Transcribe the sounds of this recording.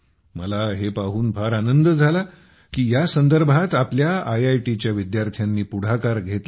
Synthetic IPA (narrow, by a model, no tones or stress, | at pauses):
məlaɦepaɦuːnfʰaɾanənd̪əd͡zʱala | kiːjasənd̪əɾbʱat̪apljaajajʈit͡ɕjaʋid̪jaɾt̪ʰjanːiːpuɽ̤akaɾɡʱet̪